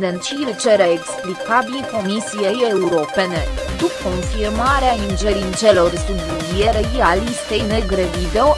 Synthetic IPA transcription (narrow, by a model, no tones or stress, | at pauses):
d̪ɛnt͡ʃilt͡ʃɛɾɛːksplikabilkomisijejeuɾopɛnɛt̪ukːonfiɾmaɾeaind͡ʒɛɾint͡ʃɛloɾsubuzijɛɾɛɡialist̪ɛjnɛɡɾɛvid̪ɛo